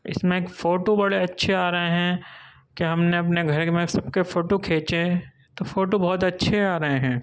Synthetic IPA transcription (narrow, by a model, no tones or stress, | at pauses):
ɪ̰smẽːkfoːʈobɐɽeɐtːʃʰeaːɾɐɦeɦɛ̃ | keɦɐmneɐpneɡʱɐɾkmẽsɐbkefoːʈokʰeːt͡ʃe | t̪ofoːʈobɔːt̪ɐtːʃʰeaːɾɐɦeɦɛ̃ː